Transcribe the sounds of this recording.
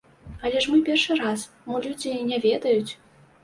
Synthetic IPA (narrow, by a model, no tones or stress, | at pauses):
alʲɛʂmɨpʲɛrʂɨɾas | mɔlʲud͡zʲinʲɛvʲɛd̪ɐjut͡sʲ